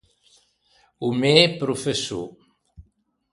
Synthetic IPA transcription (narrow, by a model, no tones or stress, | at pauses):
umepɾufesṵ